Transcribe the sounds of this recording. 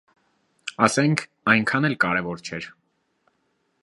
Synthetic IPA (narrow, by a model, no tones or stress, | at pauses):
ɑsɛŋkʰ | ɑjŋkʰɑnɛlkɑɾɛvɔɾt͡ʃʰɛɾ